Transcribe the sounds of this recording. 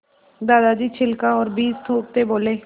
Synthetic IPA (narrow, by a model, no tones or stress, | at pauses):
d̪aːd̪ad͡ʒiːt͡ʃʰɪlkãɔːɾbiːst̪ʰoːp̚t̪eboːleː